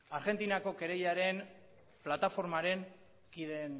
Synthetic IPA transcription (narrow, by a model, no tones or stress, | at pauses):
aɾɣe̞nt̪inako̞ke̞ɾe̞jaɾe̞n | plat̪afo̞ɾmaɾe̞ŋ | kiðe̞n